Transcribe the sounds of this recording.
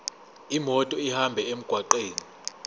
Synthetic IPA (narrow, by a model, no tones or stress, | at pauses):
imɔtʼɔihambʱɛem̩ɡ̥ʱwaǃeːni